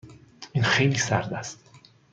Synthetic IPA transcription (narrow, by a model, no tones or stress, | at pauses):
ʔinxejliːsæɾd̪æst̪